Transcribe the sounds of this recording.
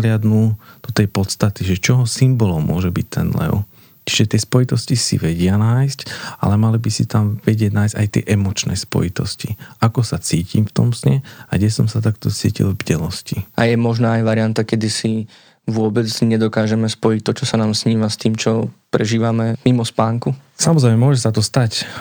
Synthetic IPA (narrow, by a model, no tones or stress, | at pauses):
lɪad̪nud̪̥ɔt̪ɛjpɔt̪st̪at̪iʒɛt͡ʃɔɦɔsimbɔlɔmːʊɔʒɛbict̪ʰɛnlɛ̰ʊ | t͡ʃiʒɛt̪ɪɛspɔjit̪ɔscisḭʋɛɟɪanajsca̰lɛmalibisit̪amʋɛɟɪɛɟnaːjzɟajt̪ɪɛ̰ʔɛmɔt͡ʃnɛ̰spɔ̰jit̪ɔsciakɔsat͡siːcʰḭmft̪ɔ̰msɲɛaɡɛsɔmsat̪akt̪ɔt͡sḭːcḭlˠvɟɛlɔsciajɛmɔʒnaːjʋaɾiɪant̪akɛd̪isi | ʋʊɔbɛd͡zɲɛd̪ɔkaːʒɛmɛspɔjic̚t̪ɔt͡ʃɔsanaːmsɲiːmast̪iːmt͡ʃɔpɾɛʒiːʋamɛmimɔspaːŋkusamɔzɾɛɪmɛmʊɔʒɛsat̪ɔst̪ac